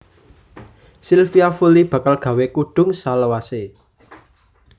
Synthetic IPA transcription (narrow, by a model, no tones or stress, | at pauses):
silfiafulib̥ä̤kalɡ̥ä̤wekuɖ̥ʊ̤ŋsaləwase